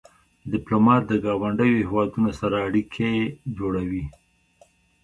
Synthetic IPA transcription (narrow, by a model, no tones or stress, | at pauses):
d̪ɪplomɑt̪̚d̪əɡɑwaɳɖəjohewɑd̪unosaɾaːɽikʰed͡ʒoɽawi